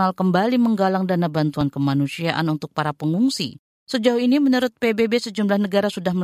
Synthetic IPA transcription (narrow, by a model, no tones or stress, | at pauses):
alkəmbaliməŋɡalaŋdanabant̪uankəmanusiaʔa̰nunt̪ʊk̚paɾapəŋuŋsḭ | səd͡ʒauinimənuɾʊt̪̚pebebesəd͡ʒumlahnəɡaɾasudahmə